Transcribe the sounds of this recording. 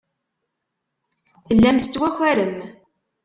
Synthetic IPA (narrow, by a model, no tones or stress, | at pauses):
θəlːæmt̪ət͡sːwæçʷæɾəm